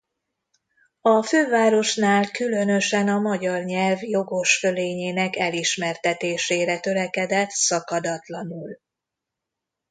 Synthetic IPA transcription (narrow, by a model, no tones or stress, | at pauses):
ɒføːvaːɾo̞ʃnaːlkylø̞n̪ø̞ʃɛnɒmɒɟɒrɲɛlvjo̞ɡo̞ʃføleːɲeːnɛkɛliʃmɛrt̪ɛt̪eːʃeːɾɛt̪ø̞lɛkɛd̪ɛt̪sɒkɒd̪ɒt̪lɒnul